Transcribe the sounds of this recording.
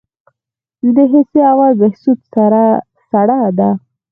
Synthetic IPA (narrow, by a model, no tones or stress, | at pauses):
d̪əɦɪseawazmahsut̪ | saɽad̪a